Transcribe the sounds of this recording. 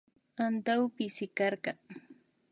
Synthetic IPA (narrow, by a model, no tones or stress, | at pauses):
ant̪awpɪsɪkɑɾɢɑŋ